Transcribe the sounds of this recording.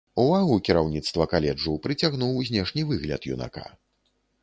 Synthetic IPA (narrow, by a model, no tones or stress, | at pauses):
uvaɣukʲiɾawnʲit̪st̪vɐkalʲɛd͡ʐuwpɾɨt͡sʲaɣnuwzʲnʲɛʂnʲivɨɣlʲɐ̰t̪jṵna̰ka̰